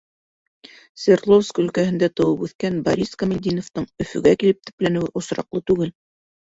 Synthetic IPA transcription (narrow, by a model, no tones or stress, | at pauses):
svʲerlˠofskɵ̆lkæhɘ̆nd̪æt̪ɤ̆wɤpʉθkænbɐɾʲiskɐmʲɪlʲd̪ʲinoft̪ɤɴɵ̆fɵ̰̆ɡækilɘp̚t̪ɵ̥̆plænɘ̆wɘʔŏsɾɑ̰qlˠɤt̪ʉɡɘl